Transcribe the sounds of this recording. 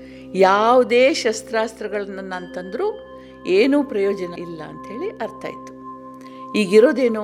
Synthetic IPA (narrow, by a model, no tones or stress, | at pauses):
jaːʋud̪eːʃɐst̪ɾaːst̪ɾɐɡɐɭɐnːɐnːɐnt̪ɐnd̪ɐɾuː | eːnuːpɾɐjoːd͡ʒɐnɐilːɐɐnt̪ɐɦe̞ːɭiʔɐɾt̪a̰ːjit̪u̥ | iːɡiɾo̞ːd̪e̞ːnu